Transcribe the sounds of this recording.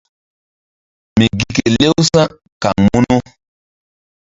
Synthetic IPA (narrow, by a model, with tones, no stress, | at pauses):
mi˨ɡi˨ke˨le˦wsã˦ | ka˨ŋmu˦nu˦